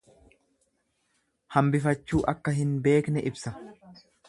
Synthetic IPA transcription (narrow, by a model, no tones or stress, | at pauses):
hɐmbɪfɐt͡ʃːuːʔɐkːɐɦɪnbe̞ːknɛʔɪbsɐ